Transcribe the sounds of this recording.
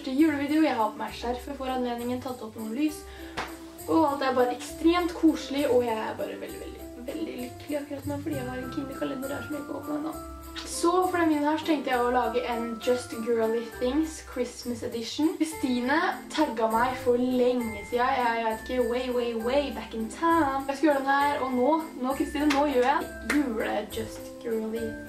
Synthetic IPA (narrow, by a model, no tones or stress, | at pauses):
ʂʈəjʉːɽəʋiːd̪ɛʊjæɪhɑpʰɔmæɪʂæɾfəfɔɾɑnleːnɪŋənt̪ʰɑt̪ːɔpːnuːnlyːs | ʔɔɑlt̪ææɾbɑːɾəɛkst̪ɾeːmt̪kʰuːʂlɪʔɔjæɪæ̰ɾbɑ̰ːɾə̰ʋɛ̰ld̪ɪʋɛld̪ɪ | ʋɛld̪ɪlʏkːəlɪɑkːʉɾɑt̪noːfɔɖiːjæɪhɑɾɛnkʰiːnəkʰɑlɛnd̪əɾdæ̰ʂɔmjæɪkːəɔ̰ːpn̩ɛnɑ̰ | sɔfɔɾɛmɪnːəhɑʂt̪ʰɛŋkt̪əjæɪɔlɑːɡəʔɛnd͡ʒʌst̪ɡɜːlɪθɪŋskʰɹɪsməsɛd̪ɪʂn̩ɾɪst̪iːnət̪ʰɑɡːɑmæɪfɔɾlɛŋːəsiːɑjæɪʋæɪt̪ɪ̥kːəweɪweɪweɪbækɪnt̪ʰaʊnjæɪskɑjøːɾəd̪ɛnæɾɔnoːnoːkʰɾɪst̪iːnənoːjøːjæɪ | jʉːləd͡ʒʌst̪ɡ̥øːlˠɪ